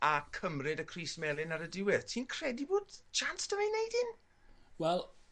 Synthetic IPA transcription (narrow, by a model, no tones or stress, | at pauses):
akʰəmrɪdəkʰriːsmɛlˠɪnaɾədɪwɪðtʰiːnkʰr̥ɛdiboːdt͡ʃantd̥ɔinejdɪn | wɛlˠ